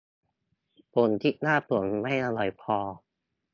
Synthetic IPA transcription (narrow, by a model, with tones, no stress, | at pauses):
po˨˦nt̪ʰiː˥˩naː˥˩pu˨˩əŋ˧ma˥˩jʔa˧lɔ˨˩˦jpʰɔː˧